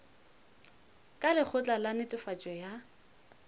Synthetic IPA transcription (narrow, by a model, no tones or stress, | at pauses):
kʼalɪk͡xʰʊt͡ɬʼalanɪtʼɪfat͡ʃʼɔja